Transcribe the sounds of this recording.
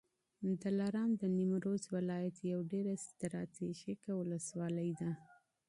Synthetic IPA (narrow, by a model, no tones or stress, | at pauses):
d̪əlaɾɑmd̪ənimɾozwɪlɑjat̪jawɖeɾast̪ɾɑ̰t̪eʃekawʊləswɑləjd̪a